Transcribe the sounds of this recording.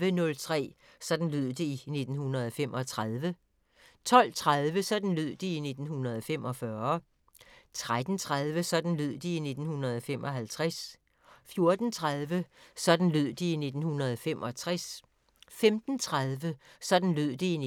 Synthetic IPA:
ənɔ̽lt͡sʰʁɛ̰ː | sɒ̽d̥n̩løð̰ˠd̥e̝ine̝d̥n̩hunʁɐð̞̩ˠɒ̽fem̰ʔɒ̽t͡sʰʁaðˠʋə | t͡sʰɒ̽l̰t͡sʰʁaðˠʋəsɒ̽d̥n̩løð̞̰ˠd̥iine̝d̥n̩hunɐð̞ˠɒ̽fem̰ɒ̽fɶɐ | t͡sʰʁad̥n̩t͡sʰʁað̞ˠʋəsɒ̽d̥n̩løð̰ˠd̥iine̝d̥n̩hunʁɐð̞ˠɒ̽fem̰ʔɒ̽ɦælt͡sʰʁas | fjo̝ɐd̥n̩t͡sʰʁaðˠʋəsɒ̽d̥n̩løð̞̰ˠd̥iine̝d̥n̩hunʁɐð̞ˠɒ̽femʔɒ̽t͡sʰʁas | femd̥n̩t͡sʰʁaðˠʋə | sɒ̽d̥n̩løð̰ˠd̥ei

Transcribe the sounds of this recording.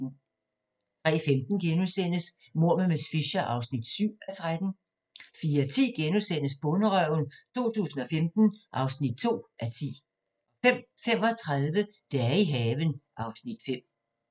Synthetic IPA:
t͡sʰʁɛ̰ːfemd̥n̩ɡ̥enusen̰əs | mo̝ɐ̰məmesfiɕɐʔɑ̈ʊsnid̥syʊ̰æt͡sʰʁad̥n̩ | fiːɐt͡sʰḭːɡ̥enusen̰əs̬b̥ɔ̽nəʁœʊnt͡sʰo̝̰ːt͡sʰṵːsn̩ɒ̽femd̥n̩ʔɑ̈ʊsnid̥̚t͡sʰo̝̰ːʔæt͡sʰḭː | fem̰ | fem̰ɒ̽t͡sʰʁað̞ˠʋə | d̥eæɐiɦɛːʋənʔɑ̈ʊsnid̥fem̰

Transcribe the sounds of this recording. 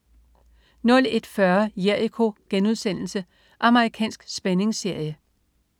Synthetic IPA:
nɔ̽le̝d̥fɶɐjeɐ̰ikʰo̝ɡ̥enuð̞ˠsen̰l̩sə | ʔɑ̈məʁikʰɛ̰ːnsɡ̥sb̥ene̝ŋse̝ɐ̰jə

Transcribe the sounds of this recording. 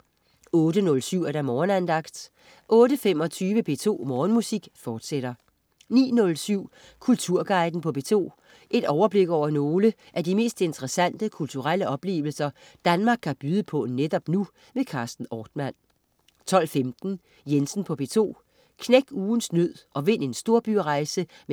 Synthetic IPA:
ɔ̽ːɾ̥ənɔ̽lsyʊ̰æɐɾ̥æmɒːnænd̥ɑ̈ɡ̥d̥ | ʔɔ̽ːɾəfemɒ̽t͡sʰyːʋəb̥e̝̰ːt͡sʰo̝̰ːmɒːnmusiɡ̥fɒːd̥seɾ̥ɐ | nḭːnɔ̽lsyʊ̰ | kʰult͡sʰuɐ̰ɡ̥ɑ̈ɪd̥n̩pʰɒ̽b̥e̝̰ːt͡sʰo̝̰ː | ʔe̝d̥ɒʊɐb̥le̝ɡ̥ɒʊ̰ɐno̝ːlə | ʔædime̝̰ːsd̥e̝nt͡sʰəʁɐsæn̰d̥əkʰult͡sʰuʁal̰əʔɒ̽b̥le̝̰ːʊl̩sɐ | d̥ænmɑ̈ːɡ̥̚ʰæb̥yːð̞ˠəpʰɔ̽ned̥ɒ̽b̥nu | mekʰɑ̈ːsd̥n̩ɒːd̥mæn̰ | t͡sʰɒ̽l̰femd̥n̩ | jensn̩pʰɒ̽b̥e̝̰ːt͡sʰo̝̰ː | kʰneɡ̥uːn̩snøð̰ˠɒ̽ʋe̝n̰e̝nsd̥o̝ɐb̥yʁɑ̈ɪsə | m

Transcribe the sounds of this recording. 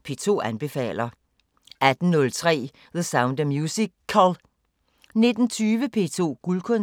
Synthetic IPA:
pʰe̝̰ːt͡sʰo̝̰ːænb̥e̝fɛ̰ːl̰ɐ | ʔæd̥n̩nɔ̽lt͡sʰʁɛ̰ː | ðəsäʊnd̥əmjuːsikʰːæl | ne̝d̥n̩t͡sʰyːʋəpʰe̝̰ːt͡sʰo̝̰ːɡ̥ulkʰɔ̽n

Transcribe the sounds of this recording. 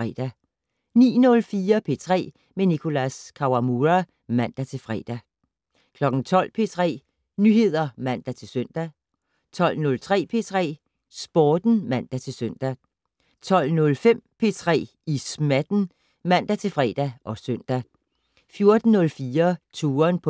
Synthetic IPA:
ɛ̰d̥æ | nḭːnɔ̽lfiːɐpʰe̝ːt͡sʰʁɛ̰ː | menikʰo̝læskʰɑʊɑmuʁæ | mæn̰d̥æt͡sʰe̝lfʁɛ̰ːd̥æ | kʰlɒ̽ɡ̥ŋ̩t͡sʰɒ̽l̰pʰe̝ːt͡sʰʁɛ̰ː | nyhe̝ð̞̰ˠɐmæn̰d̥æt͡sʰe̝lsøn̰d̥æ | t͡sʰɒ̽l̰nɔ̽lt͡sʰʁɛ̰ːpʰe̝t͡sʰʁɛ̰ː | sb̥ɒːd̥n̩mæn̰d̥æt͡sʰe̝lsøn̰d̥æ | t͡sʰɒ̽l̰nɔ̽lfem̰pʰe̝t͡sʰʁɛ̰ː | ismæd̥n̩ | mæn̰d̥æt͡sʰe̝lfʁɛ̰ːd̥æʔɒ̽søn̰d̥æ | fjo̝ɐd̥n̩ːɔ̽lfiːɐt͡sʰuːɐnpʰ

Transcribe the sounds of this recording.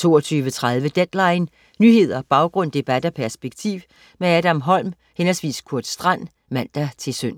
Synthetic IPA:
t͡sʰo̝̰ːɒt͡sʰyːʋət͡sʰʁaðˠʋəd̥ed̥lɑ̈ɪn | nyhe̝ð̞̰ˠɐb̥ɑ̈ʊɡ̥ʁɔ̽n̰d̥e̝b̥æd̥ɒpʰæɐsb̥eɡ̥̚t͡sʰiːʊ̰ | meæɾ̥æmɦɒ̽l̰m | henɐsʋḭːskʰuɐd̥sd̥ʁɑn̰ | mæn̰d̥æt͡sʰe̝søn̰

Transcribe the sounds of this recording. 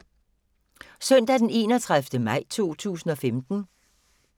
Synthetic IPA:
sœn̰d̥æd̥ene̝ːnɒt͡sʰʁaðfd̥əmɑ̈ɪ̰t͡sʰo̝̰ːt͡sʰṵːsn̩ɒ̽femd̥n̩

